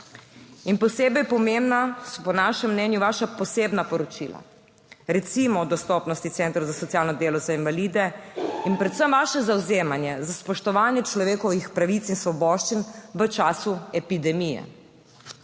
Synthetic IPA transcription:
inpɔseːbɛjpɔmembnasɔpɔnaːʃɛmːnɛnjuʋaːʃapɔseːbnapɔɾɔt͡ʃila̰ | ɾɛt̪simɔd̪ɔst̪ɔːpnɔst̪it̪sɛːnt̪ɾowzasɔt̪sijaːlnɔd̪eːlɔzainʋalid̪ɛinpɾɛt̪səmʋaːʃɛzawzeːmanjɛzaspɔʃt̪ɔʋaːnjɛt͡ʃlɔʋeːkɔʋixpɾaʋit̪sinsʋɔbɔʃt͡ʃinʋət͡ʃaːsuɛpid̪ɛmijɛ̰

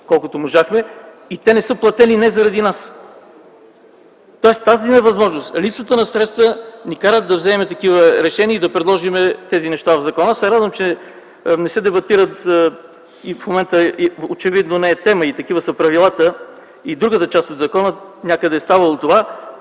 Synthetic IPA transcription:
kɔlˠkʊt̪omoʒaxmɛ | it̪ɛnɛsɤplˠɐt̪ɛlinɛzɐɾɐd̪inas | t̪ɔɛst̪azinɛvɐzmɔʒnost̪lip̪sət̪ənɐsɾɛt̪st̪vənikaɾət̪̚d̪ɐvzɛːmɛt̪ɐkivəɾɛʃɛniəid̪ɐpɾɛd̪lˠɔʒimɛt̪ɛzinɛʃt̪avɐvzɐkɔnasɛɾad̪vəmt͡ʃɛ | nɛsɛd̪ɛbɐt̪iɾət̪ | ifmomɛnt̪əot͡ʃɛvid̪nonɛɛt̪ɛməit̪ɐkivəsəpɾɐvilˠat̪ə | id̪ɾuɡət̪ət͡ʃast̪od̪zɐkɔnənʲakəd̪ɛːst̪avəlˠot̪ova

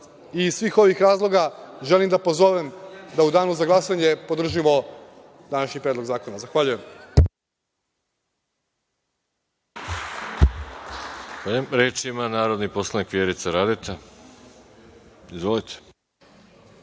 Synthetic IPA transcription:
isʋiːxo̞ʋixɾaːzlˠo̞ɡaʒelimd̪apo̞zo̞ʋemd̪aud̪aːnuzaɡlˠasaɲe̞po̞d̪r̩ʒimo̞ | d̪anaʃɲipɾed̪lo̞ɡzaːko̞nazaxʋaʎuje̞m | polemɾeːt͡ʃimanaːɾod̪niposlˠanikʋjeɾit̪saɾad̪et̪ʰe | izʋolit̪ʰe̥

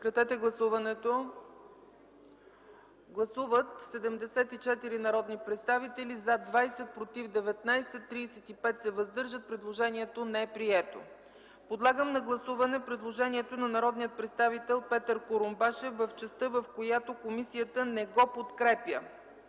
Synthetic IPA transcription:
kɾɐt̪ɛt̪ɛɡlˠɐsuvɐnɛt̪o | ɡlˠɐsuvət̪sɛd̪ɛmd̪ɛsɛt̪it͡ʃɛt̪iɾinɐɾɔd̪nipɾɛt̪st̪avit̪ɛlizad̪vajsɛt̪̚pɾot̪ivd̪ɛvɛt̪najsɛt̪ːɾiːsɛt̪ipɛt̪sɛvɐzd̪ɤɾʒət̪̚pɾɛd̪lˠoʒɛniɛt̪onɛɛpɾiɛt̪o̰ | pod̪lˠaɡəmnɐɡlˠɐsuvɐnɛpɾɛd̪lˠoʒɛniɛt̪onɐnɐɾɔd̪nijət̪̚pɾɛt̪st̪avit̪ɛlˠpɛt̪əɾkoɾombaʃɛfːɐft͡ʃɛst̪ɤvɐfkojat̪okomisijət̪ənɛɡɔpot̪kɾɛpjə̰

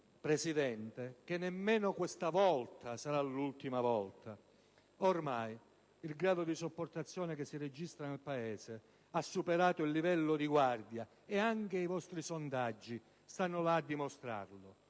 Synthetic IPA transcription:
pɾɛsid̪ɛnt̪ek̟enːɛmːɛːnʊkwest̪avɔlt̪asaɾalːult̪imavɔlt̪ʰa | ormaj | ilɡɾaːd̪ʊd̪isopːort̪at̪sːjɔːnekesːired͡ʒist̪ɾanelpaɛːse | asːupeɾaːt̪ʊilːivɛlːʊd̪iɡward̪ja | eaŋkeivɔst̪ɾisond̪ad͡ʒːi | st̪anːʊlaːd̪ːimʊst̪ɾa̰rlʊ

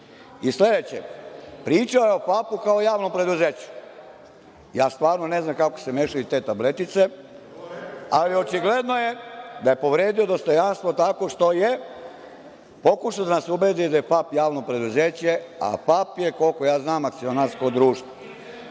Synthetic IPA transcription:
isle̞d̪et͡ɕḛpɾiːt͡ʃaojeopapukao̞jaːʋnompɾe̞d̪uzeːt͡ɕu̥ | jaːst̪ʋaːɾnoneznamkako̥se̞meːʃajut̪e̞ːt̪ablet̪it̪se̞ | alio̞t͡ʃiɡle̞d̪no̞jed̪aje̞po̞ʋɾeːd̪io̞d̪o̞st̪o̞janst̪ʋot̪ako̞ʃt̪o̞je | po̞kuʃaod̪anasubeːd̪id̪ajepapjaːʋnopɾe̞d̪uzeːt͡ɕea̰fapjeko̞lko̞jaːznaːmak̚t̪sio̞naːɾskod̪ɾuːʃt̪ʋo

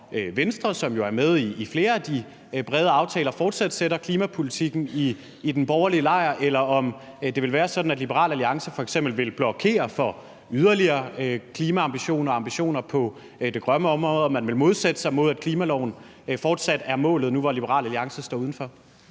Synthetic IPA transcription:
øʋensd̥ʁɐsɒ̽mjo̝æɐmeð̞ˠiːfle̝ːɐæd̥i | b̥ʁɛːð̞ˠəɑ̈ʊt͡sʰɛːlɐfɒːd̥sæd̥seɾɐkʰliːmæpʰo̝lit͡sʰiɡ̥n̩iː | d̥enb̥ɒʊɐliəlɑ̈ɪɐʔelɐɒ̽m | d̥e̝ʋe̝lʋæːɐsɒ̽d̥n̩æd̥lib̥eʁɑ̰̈ːlæliɑ̈ŋsəfɒ̽eɡ̥sem̰b̥l̩ʋe̝lb̥lɒ̽kʰe̝̰ːɐfɒ | yðˠɐliɐːkʰliːmæɑ̈mb̥iɕo̝̰ːnɐɒːɑ̈mb̥iɕo̝̰ːnɐpʰɒ̽ | d̥e̝ɡ̥ʁɶməɒ̽mʁɔːðˠɒ̽mːænʋe̝lmo̝ð̞ˠsed̥ə̥sɑ̈ɪmo̝ð̞̰ˠæd̥̚kʰliːmælɒʊ̰n̩ | fɒːd̥sæd̥æɐmɔ̰ːlð̩ˠnuʋɒlib̥əʁɑ̰ːlæliɑ̈ŋsɐsd̥ɒ̰ːuðˠn̩fɒ̽

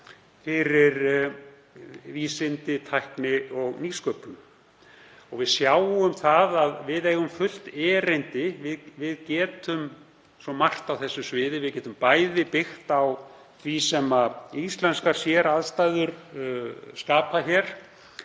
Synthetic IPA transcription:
fɪɾɪɾ | viːsɪnt̪ɪt̪ʰajhknɪɔɣniːskœpʏm | ɔɣvɪðsjaːwʏmθaðaðvɪðejɣʏmfʏl̥t̪ɛːɾɪnt̪ɪvɪðvɪðcɛːt̪ʰʏm | sɔmar̥t̪awθɛsːʏsvɪːðɪvɪðcɛːt̪ʏmpaːjðɪpɪxt̪aw | θʰvisɛmaist̪lɛnskaɾ̥sjɛɾaðst̪ajðʏɾ̥ | skaːpaçɛɾ̥

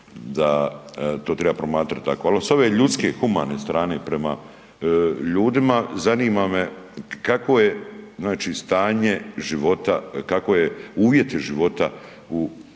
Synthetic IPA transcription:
d̪at̪o̞ːt̪ɾe̞bapɾo̞maːt̪ɾat̪̚t̪ːakoaloso̞ʋe̞ːʎut̪ske̞xuma̰ːne̞st̪ɾaːne̞pɾe̞ma̰ | ʎuːd̪imazaniːmame̞kako̞je̞znaːt͡ʃiːst̪aːɲe̞ʒiʋo̞t̪a̰kako̞jeuːʋje̞t̪iʒiʋo̞t̪a | u

